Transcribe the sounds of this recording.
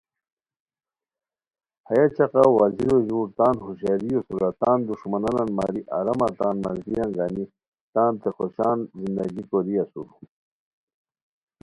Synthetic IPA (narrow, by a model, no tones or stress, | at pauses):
hajat͡ɕaqawaziɾoʑuːɾt̪aːnɦuɕaɾijosuɾat̪aːnd̪uʂmanananmaːɾiʔaɾɐmat̪aːnmazɡ̪ijaŋɡaːni | t̪aːnt̪exoɕaːnzind̪ɐɡikoɾiasṵɾu